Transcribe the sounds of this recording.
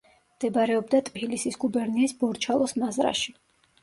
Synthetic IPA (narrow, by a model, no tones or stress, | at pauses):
md̪̥ɛbɾɛɔbd̪at̪ʼbilisisɡubɛɾniisbɔɾt͡ʃʰalˠɔsmazɾa̰ʃi